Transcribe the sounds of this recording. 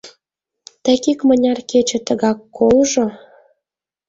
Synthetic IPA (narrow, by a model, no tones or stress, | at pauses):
t̪ækikmə̆nʲɑrket͡ɕĕt̪əɣɑkːolʒo